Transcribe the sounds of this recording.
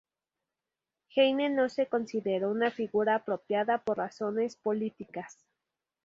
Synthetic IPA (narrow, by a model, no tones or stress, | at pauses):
xejnenosekonsiðeɾounafiɣuɾaːpɾopjaðaporrasonespolit̪ikas